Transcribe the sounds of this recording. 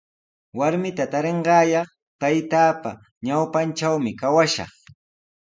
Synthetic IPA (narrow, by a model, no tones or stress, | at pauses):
waɾmɪt̪at̪aɾeɴɢɑːjɑχ | t̪ajt̪aːpa̰ | ɲawpant͡ʃawmɪkawaʃɑ̰χ